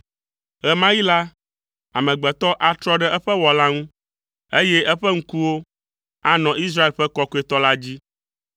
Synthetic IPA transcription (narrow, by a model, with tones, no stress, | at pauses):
ɣɛ˨mã˦ji˦la˦ | a˨mɛ̃˨ɡ͡bɛ˨t̪ɔ˦ʔa˨t̪ɾɔ˦ɖɛ˦ʔɛ˦ɸɛ˦wɔ˨la˦ŋũ˦ | e˦jɛ˦ʔɛ˦ɸɛ˦ŋ̩˦ku˦wo˦ | a˦nɔ̃˨ʔi˦s̬ɾa˦e˨lɸɛ˦kɔ˦ko˦e˨t̪ɔ˦la˦d͡ʑi˦